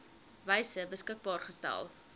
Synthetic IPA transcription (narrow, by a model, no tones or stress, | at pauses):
vɛjsəbəskək̚bɑːrχəstæ̰lˠ